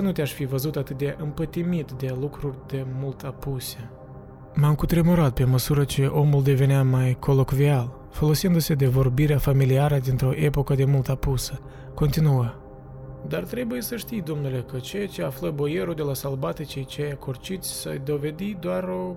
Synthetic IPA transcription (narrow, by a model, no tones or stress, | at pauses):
nut̪eaʃfivəzut̪at̪ɨt̪̚d̪eʔɨmpət̪imit̪d̪e̞lukɾurʲd̪e̞mult̪apuse̞ | mamkut̪ɾemoɾat̪̚pe̞məsuɾət͡ʃe̞ʔo̞muld̪e̞ve̞neamajkʰo̞lokvial | fo̞lo̞sind̪use̞d̪e̞vo̞rbiɾeafamiliaɾəd̪int̪ɾo̞ʔe̞po̞kəd̪e̞mult̪apusə | ko̞nt̪inuə | d̪art̪ɾe̞buje̞səʃt̪ijd̪omnule̞kət͡ʃejat͡ʃe̞afləboje̞ɾud̪e̞lasalbat̪it͡ʃejt͡ʃeejakʰort͡ʃit̪sʲsə̰jd̪o̞ve̞d̪id̪oaɾo̞